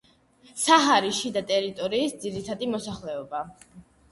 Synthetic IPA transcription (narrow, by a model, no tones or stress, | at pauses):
saɦaɾiʃid̪at̪ʼɛɾit̪ʼɔɾiːsd̪ziɾit̪ʰad̪imɔsaχlɛɔba